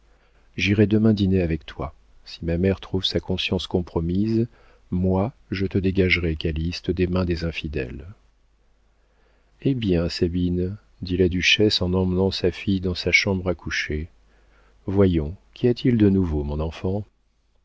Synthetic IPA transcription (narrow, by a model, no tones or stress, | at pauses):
ʒiʁɛd̪əmɛ̃d̪ineavɛkt̪wa | simamɛʁt̪χuvsakɔ̃sjɑ̃skɔ̃pχɔmiz | mwaʒət̪əd̪eɡaʒʁɛkalist̪əd̪emɛ̃d̪ezɛ̃fid̪ɛ̰l | ebjɛ̃sabin | d̪ilad̪yʃɛsɑ̃nɑ̃mnɑ̃safijd̪ɑ̃saʃɑ̃bʁakuʃe | vwajɔ̃kʲʰiat̪ʰild̪ənuvomɔ̃nɑ̃fɑ̃